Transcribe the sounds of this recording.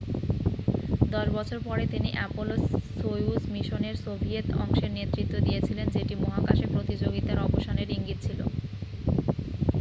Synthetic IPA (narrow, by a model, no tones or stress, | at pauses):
d̪ɔʃbɔt͡ɕʰoɾpɔɾet̪iniʔɛpolosːojusmiʃoneɾsobʱiet̪ɔ̰ŋʃeɾnet̪ːɾit̪ːod̪ijet͡ɕʰilend͡ʑeʈimɔɦakaʃepɾot̪id͡ʑoɡit̪aɾɔboʃaneɾiŋɡit̪̚t͡ɕʰilo̰